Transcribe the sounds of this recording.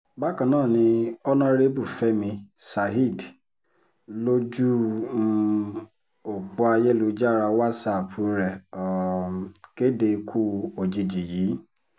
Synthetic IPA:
ba˦kã˨nãː˦˨nĩ˧ɔ˦nã˦ɾe˦bu˦˨fɛ˦mĩ˧sa˨ɦi˦˨d | lo˦d͡ʒu˦ | o˨k͡pu˧a˧jɛ˦lu˧d͡ʒa˦ɾa˧wa˦sa˦˨fu˧ɾɛ˨ɔ˨ | ke˦de˧kʰu˦o˨d͡ʒi˨d͡ʒi˨jiː˨˦

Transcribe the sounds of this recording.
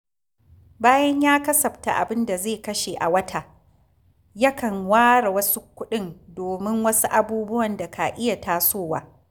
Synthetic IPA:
baː˦jɐ˦ɲjaː˦kɐ˦sɐ˨ɸta̰˨ʔa̰˨bɪ˦nda˨zeː˦˨kɐ˦ʃe˨ʔa̰˨wɐ˦tʰa˨ | jɐ˦kɐ˨ŋwaː˦ɽa˨wɐ˦su˦kʷʊ˦ɗɪ˦ndoː˨mɪ˦ŋwɐ˦su˦ʔa˨buː˦bʊ˦wɐ˨nda˨kʰa˨ʔɪ˦ja˨taː˦soː˦˨wa̰ː˦

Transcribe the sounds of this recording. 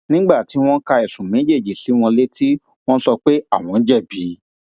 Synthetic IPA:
nĩ˦ɡ͡ba˦˨ti˨˦w̃ɔ̃˦ka˧ɛ˨sũ˨mẽ˨˦d͡ʒe˦˨d͡ʒi˨˦si˨˦w̃ɔ̃˧le˦tʰi˦ | w̃ɔ̃˦sɔ˧k͡pe˦a˦˨w̃ɔ̃˨˧˦d͡ʒɛ˦˨bi˨˦

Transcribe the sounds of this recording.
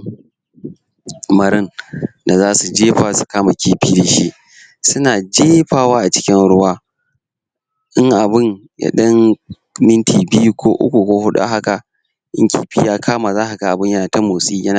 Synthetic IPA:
mɐ˨ɾɪ˦nda˨zaː˦su˨d͡ʒeː˦ɸaː˨su̥˨kaː˦ma˨kʲiː˦ɸiː˦de˨ʃḭ˦ʔ | sʊ˦naː˨d͡ʒeː˦ɸaː˦˨waː˦ʔa˨t͡ʃɪ̥˦kʲɪ˦nɽʊ˦waː˦ | ʔɪ˦ŋʔa˨bɪ˦n | ja̰˨˦ɗɐ˦ŋ | mɪ˦ntʰiː˨bi˦ju˦kʷʰoː˦ʔʊ̰˦kʷu˨kʷoː˦ɦʊ˦ɗa̰˦ɦa˦ka˨ʔ | ʔɪ̰˦ŋkʲḭː˦ɸḭː˦jaː˦kʰaː˦maː˨zaː˦ha˨ɡa˨ʔa˨bɪ˦ɲjɐ˦naː˨tɐ˦mo˨sʼiː˦jɐ˦na˨

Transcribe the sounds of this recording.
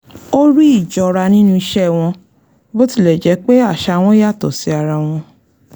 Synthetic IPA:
o˦ɾi˦i˦˨d͡ʒɔ˨ɾa˧nĩ˦nũ˦i˧ʃɛ˦˨w̃ɔ̃˧ | bo˦ti˦˨lɛ˨d͡ʒɛ˨˦k͡pe˦a˦˨ʃa˧w̃ɔ̃˦ja˦˨tɔ˨si˨˦a˧ɾa˧w̃ɔ̃˧

